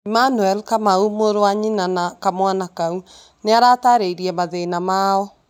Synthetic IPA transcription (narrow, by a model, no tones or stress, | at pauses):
imanuɛlkamaumoɾowaɲinanakamwanakau | neaɾataɾeiɾiɛmaðenamaɔ